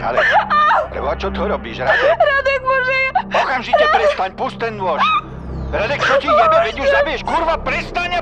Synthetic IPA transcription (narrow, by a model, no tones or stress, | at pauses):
ɾa̰d̪ɛklɛ̰bɔat͡ʃɔt̪ɔɾɔbiːʃɾad̪ɛɾad̪ɛɡbɔʒiɔkamʒit̪ɛpɾɛst̪aɲpust̪ɛnd̪ʊɔʃ | ɾad̪ɛkt͡ʃɔcizamɛʋɛɟjuzabijɛʃkuɾʋapɾɛst̪aɲa